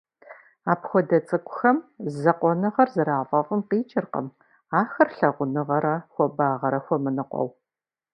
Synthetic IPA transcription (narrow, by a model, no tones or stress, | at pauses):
aːpxʷɔdɐt͡sʼɨkʷʼʊ̥xɐmzɐqʷɔnɨʁɐrzɨɾaːvɐfʼɨmqiːt͡ʃʼɪrqə̰m | aːxɐrɬɐʁʷʊnɨʁɐɾɐxʷɔbaːʁɐɾɐxʷɔmɨnɨqʷɔ̰w